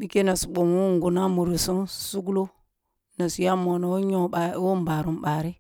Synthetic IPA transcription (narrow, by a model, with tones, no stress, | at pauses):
ɗi˦ke˦na˨su˨ɓo˨mu˦ŋɡu˨na˦mu˨ɾi˨su˦nsu˦ɡu˦lo˦ | na˨si˨ja˦mo˨no˨wɲo˦a˨˦wo˦m˦ba˨ɾu˨mɓa˨ɾi˦